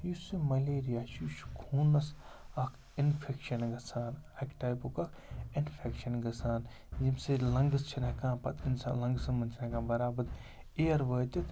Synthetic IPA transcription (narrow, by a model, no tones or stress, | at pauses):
jusimɐleːɾijaːʃuʃkʰuːnɐsɐkʰ | inpʰekʃɐnɡɐsʰaːnɐkʈaːjpukɐkʰ | inpʰekʃɐnɡɐsaːn | zimselɐŋɡɨst͡ʃʰinɐkãːpɐt̪insa̰ːlɐŋɡsɐmɐnt͡ʃʰnɐkãːbɐɾaːbɐt̪ | eɐɾʋəːt̪it̪